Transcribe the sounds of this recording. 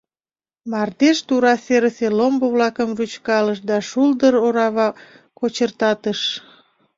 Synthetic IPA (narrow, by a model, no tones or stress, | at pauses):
mɑrd̪eʃt̪uɾɑseɾəselomboβlɑkəmrut͡ɕkɑləʃd̪ɑʃuld̪əɾoɾɑβɑ | kot͡ɕərt̪ɑt̪əʃ